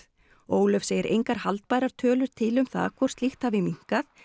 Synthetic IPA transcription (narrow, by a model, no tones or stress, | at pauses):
oːwlœfseːjɪɾʔḛjŋkaɾ̥halt̪̚pajɾaɾ̥t̪ʰœːlʏɾ̥t̪ʰɪlʏmθa̰ðkʰɔr̥st̪lixt̪havɪmiŋ̥kaθ